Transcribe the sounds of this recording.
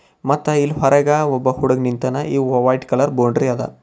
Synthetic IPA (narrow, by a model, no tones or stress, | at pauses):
mɐt̪ːɐilɦɔɾɐɡaːɔbːɐhuɽɐɡnint̪ɐnɐiːɐʋaːjʈkɐlɐɾboːɳɖɾijɐd̪ɐ̰